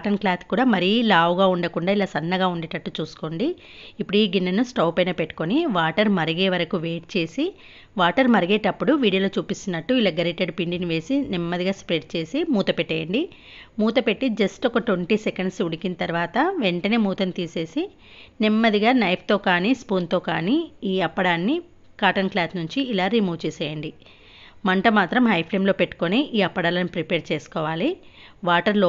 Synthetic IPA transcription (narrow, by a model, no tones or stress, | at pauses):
ʈɐnklaːt̪ʰkuːɽaːmɐɾiːlaːʋɡaːuɳɖɐkuɳɖaːilaːsɐnːɐɡaːuɳɖɛːʈɐʈːut͡ʃuːsu̥koɳɖiː | pːuɽuiːɡinːɐnusʈɐːpɐjnɐːpeʈːu̥koniʋaːʈɐɾmɐɾiɡeːʋɐɾɐkuʋe̞ːʈ̚t͡ʃe̞ːsi | ʋaːʈɐɾmɐɾiɡeːʈɐpːuɽuʋiːɽijɐːloːt͡ʃuːpist̪unːɐʈːuilaːɡɐɾeːʈeɖpiɳɖiniʋe̞ːsinimːɐd̪iɡaːspɾeːʈ̚t͡ʃe̞ːsimuːt̪ɐpeʈːejɐɳɖi | muːt̪ɐpe̞ʈːid͡ʒɐsʈɔkɐʈʋeɳʈiːsekɐɳɖsuɽikinɐt̪ɐɾʋaːt̪ɐʋe̞ɳʈɐne̞ːmuːt̪ɐnt̪iːse̞ːsi | nimːɐd̪iɡaːnɐjp̚ʰt̪o̞ːkaːniːspuːnt̪o̞ːkaːniːiːɐpːɐɽaːnːi | kaːʈɐnklaːsnuɲt͡ʃiːlaːɾimuːʋt͡ʃeːseːjɐɳɖi | mɐɳʈɐmaːt̪ɾɐmɦɐjpʰleːmlo̞ːpe̞ʈːu̥koniʔiːɐpːɐɽaːlɐnipɾipeːɾt͡ʃeːsu̥kɔːʋaːli | ʋaːʈɐɾloː